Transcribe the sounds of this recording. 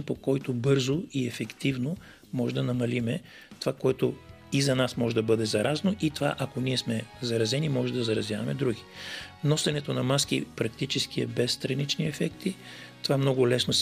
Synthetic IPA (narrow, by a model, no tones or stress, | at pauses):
npokɔjt̪obɤɾzoiɛfɛkt̪ivno | mɔʒɛd̪ɐnɐmɐlimɛ | t̪ovakoɛt̪o | izɐnasmɔʒɛd̪ɐbɤd̪ɛzɐɾʔaznoʔit̪ova̰ʔɐkoniɛsmɛzɐɾɐzɛnimɔʒɛd̪ɐzɐɾɐzjavɐmɛd̪ɾuɡi̥nɔsɐnɛt̪onɐmask̟ipɾɐk̚t̪it͡ʃɛskiɛ̰bɛst̪ɾɐnit͡ʃniɛfɛkt̪i | t̪ovamnɔɡʊlɛsnos